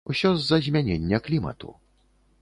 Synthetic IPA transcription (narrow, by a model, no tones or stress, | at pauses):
usʲɔzːɐzʲmʲanʲenʲːɐklʲimɐ̰t̪ṵ